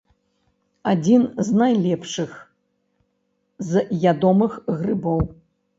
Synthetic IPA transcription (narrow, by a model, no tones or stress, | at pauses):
ad͡zʲinznajlʲɛpʂɨx | zjʲad̪ɔmɨxɣrɨbɔw